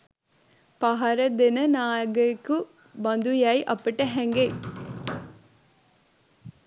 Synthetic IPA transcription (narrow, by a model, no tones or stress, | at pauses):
pɐɦɐɾɐd̪enɐnaːjɐɡɐku | bɐnd̪ujajʔɐpːɐʈeɦɛŋɡe